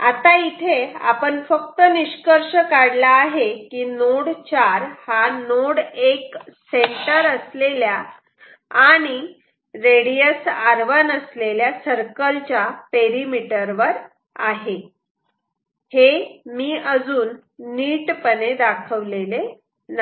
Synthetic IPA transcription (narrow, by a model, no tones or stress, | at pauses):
a̰t̪ait̪ʰea̰pəɳfəkt̪əniɕkəɾʂəkaɽlaːɦekiːnoɽt͡ɕaɾhanoɽekseɳʈəɾəslelja | aɽ̃i | ɾeɽijəsaɾʋənəsleljasəɾkəlt͡ɕjapeɾimiʈəɾʋəɾ | a̰ɦe | hemiːʔəd͡zuːnː | iːʈpəned̪akʰəʋlele | n